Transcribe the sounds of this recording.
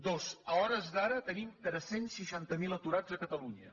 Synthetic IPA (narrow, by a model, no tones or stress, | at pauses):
d̪ozəɔɾəzðaɾət̪ənimt̪ɾɛsensːəʃant̪əmilət̪uɾad͡zəkət̪əluɲə